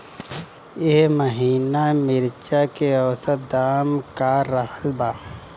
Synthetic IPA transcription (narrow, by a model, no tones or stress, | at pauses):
eɦməɦiːnamɪɾt͡ʃakeɔwsət̪̚d̪aːmkaɾəɦəlbaː